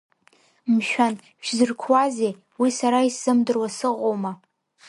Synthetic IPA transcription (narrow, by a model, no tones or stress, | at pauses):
mʃᶣan | ʃᶣzɨrkʷʰwaze | wisaɾaisɨmdɨrwasɨqʷʼowma